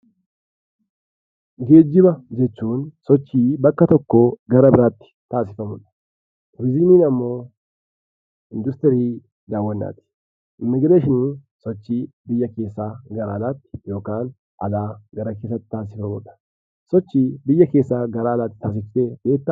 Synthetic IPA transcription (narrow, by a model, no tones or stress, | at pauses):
ɡe̞ːd͡ʒːɪbɐd͡ʒɛt͡ʃːuːnsɔt͡ʃːiːbɐkːɐt̪ɔkːoɡɐɾɐbɪɾat̪ːɪ̥t̪aːsɪ̥fɐmod̪ɐ̥ | ɾɪzɪniːnɐmːo̞ː | ɪnd̪ʊst̪ɛɾiː | d̪aːwːɐnːa̰ːt̪ɪ̥ | ɪmːɪɡɪd̪eʃɪni | sɔt͡ʃːibɪjːɐke̞ːsːaːɡɐɾaːlat̪ːɪ̥jo̞ːkaːn | ʔɐlaːɡɐɾɐke̞ːs̬ːɐt̪ːɪ̥t̪aːs̬ɪfɐmod̪ɐ̥ | sɔt͡ʃːibɪjːɐkeːsːaːɡɐɾaːlat̪ːɪ̥t̪aːs̬ɪfɪt̪ebe̞ːt̪ː